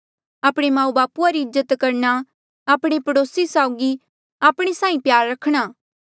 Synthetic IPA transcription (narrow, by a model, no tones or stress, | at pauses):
aːpɽ̃emãːũbaːpuaɾiɪzːət̪kɐɾna | aːpɽ̃epɐɽoːsisaːʊɡi | aːpɽ̃esãːĩpjaːɾːɐkʰɽ̃aː